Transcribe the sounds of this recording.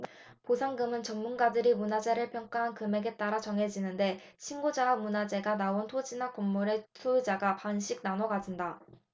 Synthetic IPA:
posʰaŋɡɯmɯnt͡ɕʌŋmunɡadɯɾimunad͡ʑe̞ɾɯɭpʰjʌŋk͈aɦankɯme̞ɡe̞t͈aɾat͡ɕʌŋɦe̞d͡ʑinɯnde̞ɕʰinɡod͡ʑawamunad͡ʑe̞ɡanaontʰod͡ʑinakomːuɾesʰud͡ʑaɡapanɕʰiɡ̚nanoɡad͡ʑinda

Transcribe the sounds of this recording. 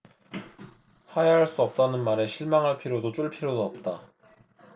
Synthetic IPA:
hajaɦaɭs͈uʌp̚t͈anɯnmaɾe̞ɕʰiɭmaŋɦaɭpʰiɾjodot͡ɕ͈oɭpʰiɾjodoʌp̚t͈a

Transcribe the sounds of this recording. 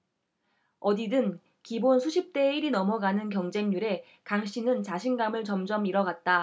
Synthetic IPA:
ʌdidɯn | kibonsʰuɕʰip̚t͈e̞iɾinʌmʌɡanɯnk̬jʌŋd͡ʑe̞ŋɲuɾe̞ | kaŋɕ͈ʰinɯnt͡ɕaɕʰinɡamɯɭt͡ɕʌmd͡ʑʌmiɾʌɡat̚t͈a

